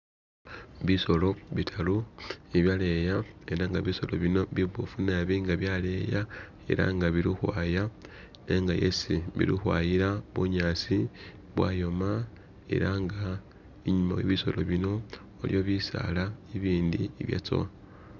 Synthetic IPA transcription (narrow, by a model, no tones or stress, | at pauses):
βiso̞lo̞βitʰaluiβjale̞jae̞ɾaŋɡaβiso̞lo̞̰βino̞βiβofunaβiŋɡaβjale̞ja | e̞̰ɾa̰ŋɡaβilixwa̰ja | eŋɡajḛsiβḭɾḭxwajiɾaβuɲaːsi | βwajo̞ma | e̞̰ɾaŋɡa | iɲuma̰weβiso̞̰lo̞̰βino̞ː | ljo̞βisa̰laiβiːndiiβja̰t͡so̰wa